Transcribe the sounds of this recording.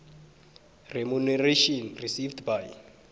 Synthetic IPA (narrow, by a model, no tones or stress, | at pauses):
rɛmunɛreʃɔnrisivdbaj